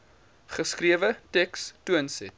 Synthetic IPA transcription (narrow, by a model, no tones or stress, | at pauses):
χəskriəvətɛkstuənsɛt̚